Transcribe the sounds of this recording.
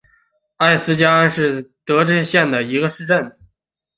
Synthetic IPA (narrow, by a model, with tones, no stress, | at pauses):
a˥˩ɪsɹ̩˥t͡ɕja˥a˥nʂɻ̩˥˩t̪ɤ˧˥ʈ͡ʂɤ˥˧˥ɕjɛ˥˩nd̪ə˩i˧˥ɡə˧ʂɻ̩˥˧ʈ͡ʂə˥˩n